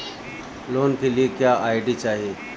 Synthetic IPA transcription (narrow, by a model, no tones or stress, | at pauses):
lont̪ʰiliːkjaaːjɖiːt͡ɕaːɦe